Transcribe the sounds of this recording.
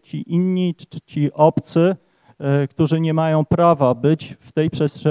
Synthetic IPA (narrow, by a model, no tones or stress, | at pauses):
t͡ɕiʔinɲit͡ɕiʔɔpt̪sɘ | kt̪uʐɘɲɛmajɔ̃w̃pɾavabɘt͡ɕft̪ɛjpʂɛstʂɛ